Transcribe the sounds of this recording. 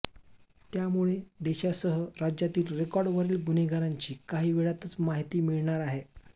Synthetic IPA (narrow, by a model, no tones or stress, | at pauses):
t̪jamuɭed̪eɕasəɦəɾad͡ʑjat̪iːlɾekɔɾɖʋəɾiːlɡuneɡaɾaɲt͡ɕiːkaɦiːʋeɭat̪ət͡smaɦit̪iːmiɭɳaɾaɦe